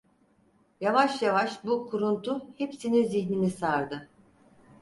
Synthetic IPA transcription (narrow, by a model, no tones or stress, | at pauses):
javaʃjavaʃbukʰuɾunt̪ʰuhepsiniziçninisaɾd̪ɯ